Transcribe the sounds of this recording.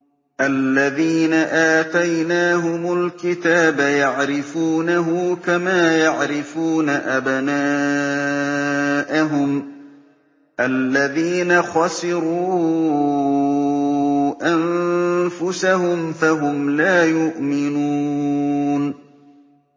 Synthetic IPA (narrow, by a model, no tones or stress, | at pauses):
ʔalːaðiːnaʔaːt̪ajnaːɦʊmʊlkɪt̪aːbajaʕɾɪfuːnaɦʊkamaːjaʕɾɪfuːnaʔabnaː | ʔaɦʊm | ʔalːaðiːnaxɑsɪɾuː | ʔanfʊsahʊmfaɦʊmlaːjʊʔmɪnu | n